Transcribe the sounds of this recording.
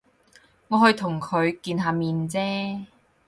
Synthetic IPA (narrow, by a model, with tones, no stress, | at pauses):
ŋɔː˨˧ɦɵ˧ɥt̪ʰʊ˨˩ŋkʰɵ˨˧ɥkiː˧nɦaː˨˧miː˨nt͡sɛː˥